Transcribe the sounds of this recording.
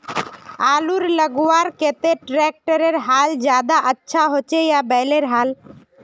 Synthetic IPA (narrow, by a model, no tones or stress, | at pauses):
aːluɾləɡuwaɾket̪eʈɾɛk̚ʈəɾeɾɦaːld͡ʒjaːd̪aʔətːʃʰaɦot͡ʃejabɛɪleɾɦaːl